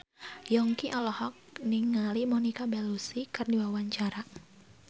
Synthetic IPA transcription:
jɔŋkiʔɔlɔhɔk̚niŋalimɔnikabɛlusikardiwawaɲt͡ʃaɾa

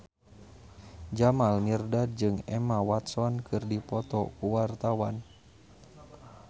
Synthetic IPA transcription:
d͡ʒamalmirdad͡ʒɨŋɛmawat̪sɔnkʰɨrdipɔt̪ɔkuwart̪awan

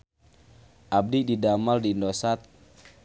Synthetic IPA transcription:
ʔab̚dididamaldindosat̪̚

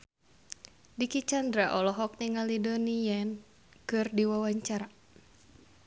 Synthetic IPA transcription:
dikit͡ʃandɾaʔɔlɔɦɔk̚niŋalidonijan | kɨrdiwawaɲt͡ʃaɾa

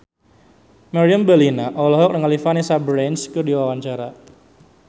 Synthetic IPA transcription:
maɾiambəlinaʔɔlɔɦɔk̚dəŋalifanisabɾɛnskɨrdiwawaɲt͡ʃaɾa

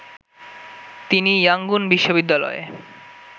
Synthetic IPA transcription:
t̪inijaŋɡunbiʃːobid̪ːalɔ̰ḛ

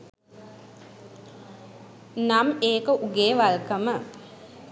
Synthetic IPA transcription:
nameːkəʔuɡeːʋalkəmə

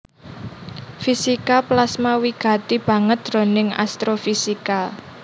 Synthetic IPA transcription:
fisikaplasmawiɡ̥ä̤t̪ib̥ä̤ŋət̪̚dro̤nɪŋa̰st̪ɾofisika

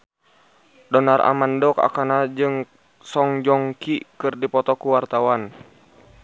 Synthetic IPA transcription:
dɔnara̰mandɔka̰kanad͡ʒɨŋ | sɔŋd͡ʒɔŋkikɨrdipɔt̪ɔkuwart̪awan

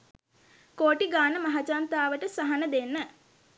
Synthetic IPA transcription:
koːʈiɡaːnəmaɦat͡ʃant̪aːʋəʈəsaɦanəd̪enːə

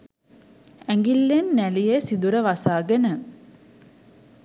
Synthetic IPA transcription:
æŋɡilːenːælijesid̪uɾəʋasaːɡenə

